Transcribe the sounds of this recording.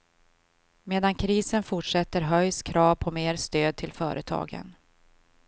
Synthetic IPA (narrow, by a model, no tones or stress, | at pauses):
meːd̪ankʰɾiːsənfʊʈʂɛt̪ːəɾɦœjskʰɾɑːvpʰɔmeːɾst̪øːd̪̚t̪ʰɪlfœːɾʔət̪ʰɑ̰ːɡə̰n